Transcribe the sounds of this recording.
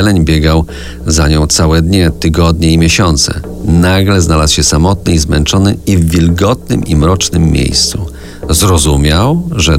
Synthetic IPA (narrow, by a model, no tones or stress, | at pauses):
ɛlɛɲbʲjɛɡaw | zaɲɔ̃w̃t̪sawɛd̪ɲɛt̪ɘɡɔd̪ɲɛimʲjeɕɔnt̪sɛ̰ | naɡlɛznalaswɕɛsamɔt̪̚nɘizmɛnt͡ʂɔnɘivːʲilɡɔt̪̚nɘ̰mʔimɾɔt͡ʂnɘmːʲjḛjst̪su | zɾɔzumʲjawʐɛ